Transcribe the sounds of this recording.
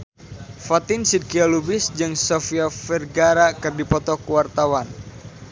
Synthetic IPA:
fat̪ɪnsid̪̚kialubɪsd͡ʒɨŋsofiafɛrɡaɾakɨrdipɔt̪ɔkuwart̪awan

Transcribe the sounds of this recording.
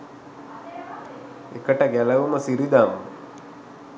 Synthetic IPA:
ḛkəʈɐɡælɐʋuməsiɾid̪aːm

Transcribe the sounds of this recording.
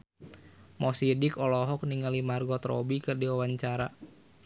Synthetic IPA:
mɔsidɪkɔlɔɦɔk̚niŋalimarɡɔt̪ɾɔ̰bikɨrdiwawaɲt͡ʃaɾa

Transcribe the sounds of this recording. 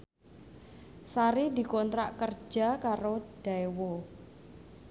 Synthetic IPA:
saɾid̪i̤kɔnt̪ɾaʔkər̥ʒ̥a̤kaɾod̥aewo

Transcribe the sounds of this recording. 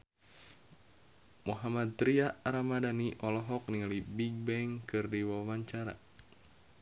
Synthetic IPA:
muɦamad̪̚ɾiaɾamadaniʔɔlɔɦɔk̚niŋalibiɡ̚bɛŋkɨrdiwawaɲt͡ʃaɾa̰

